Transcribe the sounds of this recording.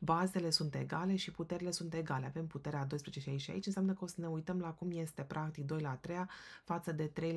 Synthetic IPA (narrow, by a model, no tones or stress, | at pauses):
baze̞le̞sunt̪e̞̰ɡale̞ʃiput̪e̞ɾile̞sunt̪e̞ɡale̞ave̞mput̪e̞ɾead̪o̞jspɾeet͡ʃe̞ʃiait͡ʃia̰it͡ʃɨnseamnəkəo̞səne̞ujt̪əmlakumje̞st̪e̞pɾʔak̚t̪ik̚d̪o̞jlaːt̪ɾejafat̪səd̪e̞t̪ɾe̞j